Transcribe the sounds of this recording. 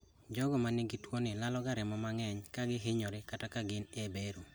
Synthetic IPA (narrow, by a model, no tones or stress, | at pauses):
d͡ʒɔɡɔmanɪɡɪtwonɪlalɔɡaɾɪmɔmaŋɛɲkaɡɪɦɪɲoɾɪkatakaɡɪnebeɾo